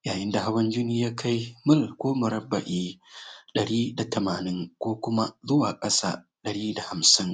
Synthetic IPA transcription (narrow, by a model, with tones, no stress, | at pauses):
jaː˨jɪ˦nda˨ha˦wɐ˦nd͡ʒɪ˦niː˦jaː˦kʰa˦jmʊ˦˨lkʷoː˦mʊ˨ɾɐ˦bːa˨ʔiː˦ɗɐ˨ɽiː˦da˨tɐ˨maː˨nɪ˦ŋkʷoː˦kʷʊ˦ma˦zʊ˦waː˨kʼɐ˦sa̰ː˨ | ɗɐ˨ɽiː˦da˨ha˨msɪ˦ŋ